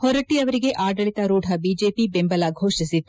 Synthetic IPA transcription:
hɔɾɐʈːiɐʋɐɾiɡe̞ʔaːɖɐɭit̪ɐɾuːɖʱɐbiːd͡ʒeːpibembɐlaɡʱoːʂisit̪ːu

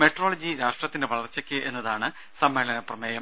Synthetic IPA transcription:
meʈroːlɐd͡ʑiɾaːʂʈrɐt̪ːindeʋɐɭɐrt͡ɕːɐkʲːɨʔe̞nːɐðaːɳɨ | sɐmːe̞ːlɐnɐprɐmeːjɐm

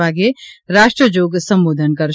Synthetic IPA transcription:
aːɡeɾaːʃʈɾəd͡ʒoːɡsə̃mboːd̪ʱənkəɾ

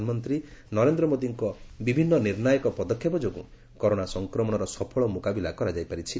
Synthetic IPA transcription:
nmɔnt̪ɾinɔɾend̪ɾɔmod̪iŋkɔbibʱinːɔniɾnajɔkɔpɔd̪ɔkʰːjɔpɔd͡ʒoɡṵ | kɔɾoɽ̃asɔŋkɾɔmɔɽ̃ɔɾɔsɔpʰɔɭɔmukabilakɔɾad͡ʒajpaɾit͡ʃʰi

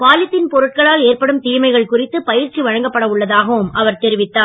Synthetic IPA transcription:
paːlɪt̪ːɪnpɔɾɯʈ̚kɐɭaːleːrpɐɽɯmt̪iːmɐɪɣɐɭkʊrɪt̪ːɯpɐjɪɾt͡ʃːiʋɐɻɐŋɡɐpːɐɽɐʊɭːɐðaːɣɐʋɯmʔɐʋɐɾt̪ɛɾɪʋɪt̪ːaː

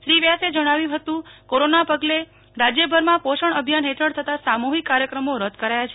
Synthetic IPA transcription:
ʃɾiʋjased͡ʒəɽ̃aʋjũɦət̪ũkoɾonapəɡle | ɾad͡ʒjəbʱəɾmãpoʃəɳəbʱjanɦetʰəɽt̪ʰət̪asamuɦikːaɾjəkɾəmoɾəd̪ʱkəɾajat͡ʃʰe

